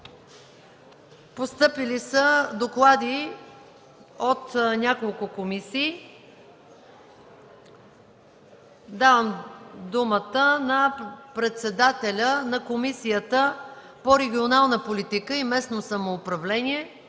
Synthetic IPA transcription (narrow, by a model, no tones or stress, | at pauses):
post̪ɤpilisəd̪oklˠad̪i | ot̪nʲakolˠkʊkomisiː | d̪avəmd̪umət̪ənɐpɾɛt̪sɛd̪at̪ɛlʲənɐkomisijət̪ə | poɾɛɡʲionalˠnəpolit̪ikəimɛsnosɐmoːpɾɐvlɛnʲiɛ